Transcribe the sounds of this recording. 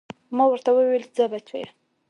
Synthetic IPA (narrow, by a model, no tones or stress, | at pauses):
mawəɾt̪awəweld͡zəbat͡ʃʰḛj